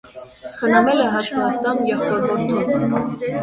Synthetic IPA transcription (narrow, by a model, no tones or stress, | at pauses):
χənɑmɛlɛɦɑʃvɑt̪ːɑmjɛχɔɾbɔɾt̪ʰɔv